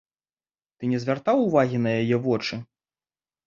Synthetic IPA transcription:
t̪ɨnʲɛzʲvʲart̪awuvaɣʲinɐjajɛvɔt͡ʂɨ

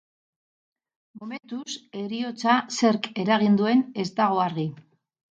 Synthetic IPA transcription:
mome̞nt̪use̞ɾio̞t͡sase̞ɾke̞ɾaɣ̞ind̪ue̞ne̞st̪aɣ̞o̞aɾɣi

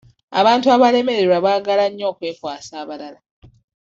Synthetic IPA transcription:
a̰βaːntuaβale̞me̞ɾeɾwaβaːɡalaɲːo̞ːkwe̞ːkwaːsaːβalala

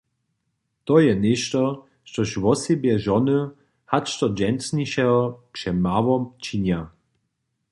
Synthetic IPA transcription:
t̪ɔjɛneʃt̪ɔ | ʃt̪ɔʃwɔsebjɛʒɔnə | hat͡ʃt̪ɔd͡ʑɛnsniʃɛɔpʂɛmawɔmt͡ʃinja

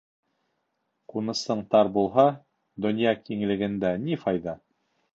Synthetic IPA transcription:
qunɤ̆sɤ̆ɴt̪ɑɾbulˠɦɑ | d̪ɵ̆njɑkiŋ̆lɘ̆ɡɘ̆nd̪ænifɑjðɑ

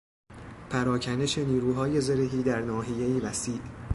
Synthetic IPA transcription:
pʰæɾɒːcʰæne̞ʃe̞niːɾuːɦɒːje̞zeɾeɦiːd̪æɾnɒːɦijeiːvæsiːʔ

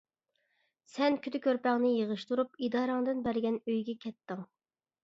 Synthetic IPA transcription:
sɛnkʲʰyt̪ʰɪkʲøɾpɛŋnɨjeʁəʃt̪uɾupid̪ɑːɾɑŋd̪ɨnbæɾɡʲɛnøjɡʲɛkʲʰɛt̪ːɨŋ

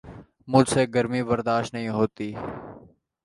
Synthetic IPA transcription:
mʊd͡ʒseːɡəɾmiːbəɾd̪aːʃʈnəɦĩːɦoːt̪iː

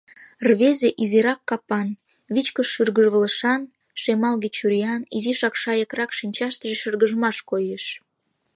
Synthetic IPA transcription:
rβezeʔiziɾɑkːɑpɑn | βit͡ɕkəʃːyrɣəʒβələʃɑn | ʃemɑlɣet͡ɕuɾʲijɑniziʃɑkʃɑjəkrɑkʃinʲt͡ɕɑʃt̪əʒeʃərɣəʒəmɑʃkojeʃ

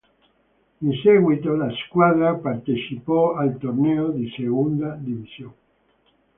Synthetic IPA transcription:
inseɣwit̪olaskwaðɾapart̪et͡ʃipɔalt̪orneod̪iseɣund̪ad̪ivisjoŋ

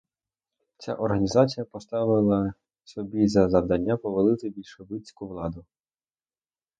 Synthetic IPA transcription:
t͡sʲa̰ʔɔrɦɐnʲizɑt͡sʲijɐpɔst̪ɑʋɪlˠɐ | sɔbʲizɐzɐwd̪ɐnʲːapɔʋɐlˠɪt̪ɪbʲilʲʃeʋɪt͡sʲkʊʋlˠɑd̪ʊ

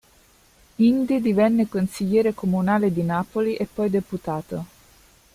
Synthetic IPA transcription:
ind̪id̪ivɛnːekonsiʎːɛːɾekomunaːled̪inaːpoliʔepːɔjd̪eput̪aːt̪o

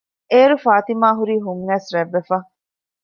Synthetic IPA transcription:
eːɾufaːt̪imaːɦuɾiːɦuŋːɛːsɾæʋːefa

